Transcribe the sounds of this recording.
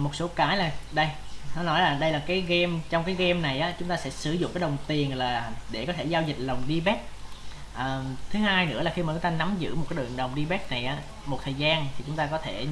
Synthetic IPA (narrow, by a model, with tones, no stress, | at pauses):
mo˨˩t̚so˨˦kaː˨˦jlaː˨˩ɗə˧jnɔ˨˦nɔ˨˦jlaː˨˩ɗə˧jlaː˨˩kaː˨˦jɣɛ˧mt͡ɕɔ˧wŋ͡mkaː˨˦jɣɛ˧mna˨˩jʔaː˨˦t͡ɕʊ˦ŋ͡mt̪aː˧sɛ̰˧˥sɨ˧˩zʊ̰˧˨ŋ͡mkaː˨˦jɗə˨˩wŋ͡mt̪i˨˩ənlaː˨˩ɗe˧˩kɔ˨˦t̪ʰe˧˩zaː˧wzï˨˩k̟̚lə˨˩wŋ͡mɗi˧ɓɛ˦˥k̚ʔəː˨˩t̪ʰɨ˨˦ɦaː˧jnɨ̰˧˥əla˨˩xi˧maː˨˩t͡ɕʊ˦ŋ͡mt̪aː˧na˨˦mzɨ̰˧˥mo˨˩t̚kaː˨˦ɨ˨˩əŋɗə˨˩wŋ͡mɗi˧ɓɛ˦˥k̚na˨˩jʔaː˨˦ | mo˨˩t̚t̪ʰəː˨˩jzaː˧nt̪ʰi˨˩t͡ɕʊ˨˦ŋ͡mt̪aː˧kɔ˨˦t̪ʰe˧˩